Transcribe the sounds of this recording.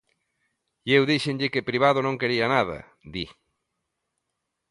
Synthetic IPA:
iewðiʃeɲʎɪkɪpɾiβ̞aðʊnõŋkeɾiɐnaðɐ̰ | d̪i

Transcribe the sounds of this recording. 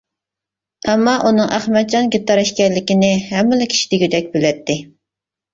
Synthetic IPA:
ɛmːɑʔunɨŋʔæχmɛt̪̚d͡ʒɑnɡʲit̪ːɑɾɛʃkʲɛɾlːɪkʲɪnɪɦɛmːɪlɪkʲʰi̥ʃi̥d̪ɪɡʲid̪ɛk̚ʲbylɛt̪ʰːɪ

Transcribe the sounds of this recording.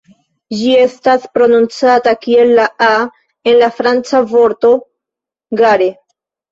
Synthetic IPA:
d͡ʒie̞staspɾo̞nunt͡satakie̞lːaa | e̞nlafɾant͡savo̞ɾto̞ | ɡaɾe

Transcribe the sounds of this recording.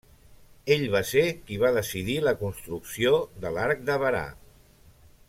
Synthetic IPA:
eʎβasekiβaðəsiðiləkunst̪ɾuksioðəlaɾk̚d̪əβəɾa̰

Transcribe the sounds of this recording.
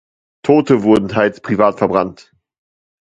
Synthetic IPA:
tʰoːtəvʊɐdn̩tʰaɪlspʁ̥ivaːtfɛɐbʁant

